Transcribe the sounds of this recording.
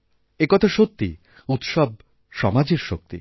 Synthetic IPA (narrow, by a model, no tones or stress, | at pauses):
ekɔt̪ʰoʃok̚t̪ːi | ut̪ʃɔb̚ | ʃɔmad͡ʑeɾʃo̰k̚t̪ḭ